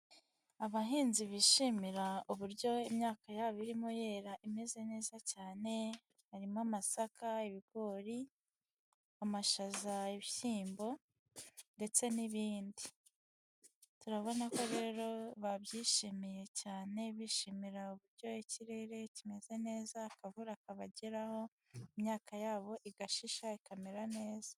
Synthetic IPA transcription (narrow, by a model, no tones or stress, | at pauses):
aβaɦiːnziβiʃimiɾauβuɾjo̞imɲaːkajaβiɾimoje̞ːɾaʔime̞ze̞ne̞ːzacaːne̞ | haɾimamasakaiβiɡo̞ːɾi | amaʃazaiβisiːmbo̞ | nde̞t͡se̞niβiːndi | tuɾaβo̞nako̞ɾe̞ːɾo̞βabjiːʃimije̞caːne̞βiːʃimiɾauβuɾɟo̞iciɾe̞ɾe̞cime̞ze̞ne̞ːzaːkavuɾakaβaɟeɾaho̞ | imɲaːkajaːβo̞ʔiɡaʃiʃaikameɾane̞ːz̥ḁ